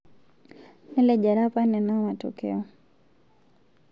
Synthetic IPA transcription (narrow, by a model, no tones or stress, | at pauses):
nilɛʄaɾapanɛnaɔmatɔ̰kɛ̰ɔ